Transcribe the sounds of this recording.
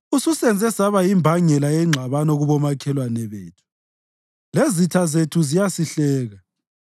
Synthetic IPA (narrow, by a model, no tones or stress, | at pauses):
ususɛnd͡zʱɛsaβaimbʱaŋɛlajɛŋ͡ǁʱaβanɔɣuβɔmakʰɛlwanɛβḛːtʰu̥ | lezitʰazetʰuzijasiɬɛːɣa